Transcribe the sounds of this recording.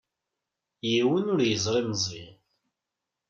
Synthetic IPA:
jiwənʊɾjəzˤɾˤimzˤið

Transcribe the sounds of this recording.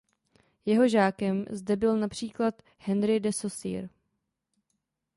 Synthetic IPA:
jɛɦo̞ʒaːkɛmzdɛbɪlnapr̝̥iːklat̪ | hɛnɾɪdɛsosḭːɾ

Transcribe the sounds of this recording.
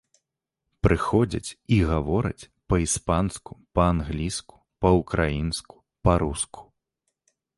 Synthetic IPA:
pɾɨxɔd͡zʲɐ̰t͡sʲiɣavɔɾɨ̰t͡sʲ | pɐispansku̥pɐanɣlʲisku̥pɐukɾʔajinsku̥ | pɐɾuskʰu̥

